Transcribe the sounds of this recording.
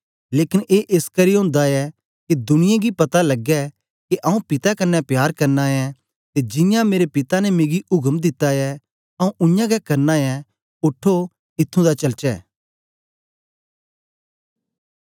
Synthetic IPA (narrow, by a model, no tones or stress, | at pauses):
leːkɪnʔeːʔeskɐɾijɦʊ̃ːnd̪aɛ | kid̪ʊnɪjãɡipɐt̪alɐɡɛ | keʔɐũpɪt̪akɐnːɛpjaːɾkɐɾnajɛ̃ | t̪ed͡ʒɪ̃jãmeːɾepɪt̪anɛmeːɡiʔʊɡəmd̪ɪt̪ːajɛ | ɐ̃ũʔʊjãɡɛkɐɾnajɛ | ʊʈʰːo | ɪt̪ʰːũd̪at͡ʃɐlt͡ʃɛ̰ː